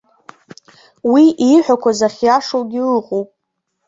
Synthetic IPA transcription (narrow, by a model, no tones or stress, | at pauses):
wiiħʷᶣakʷʰazaχʲjaʂolɡʲɪlɨqʼowpʼ